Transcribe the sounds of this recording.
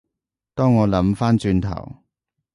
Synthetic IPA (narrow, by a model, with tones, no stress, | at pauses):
t̪ɔː˥ŋːɔː˨˧lɐ˨˥mfaː˥nt͡ʃyː˧nt̪ʰɐ̰˨˩w